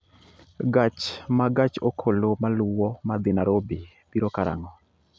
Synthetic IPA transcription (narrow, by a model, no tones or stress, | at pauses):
ɡat͡ʃmaɡat͡ʃokʰolomalʊwɔmad̪ɪnaɾobɪ | biɾokaɾa̰ŋɔ